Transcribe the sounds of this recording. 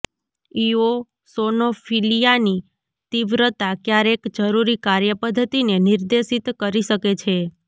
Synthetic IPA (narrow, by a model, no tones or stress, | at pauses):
io | sonofʰilijani | t̪iʋɾət̪akjaɾekd͡ʒəɾuɾikaɾjəpəd̪ʱːət̪ineniɾd̪eʃit̪kəɾiʃəket͡ʃʰe